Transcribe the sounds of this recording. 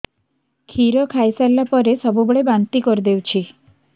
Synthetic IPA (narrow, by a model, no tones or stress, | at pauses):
kʰiɾɔkʰajsalapɔɾesɔbuboɭebant̪ikɔɾid̪ewt͡ʃʰi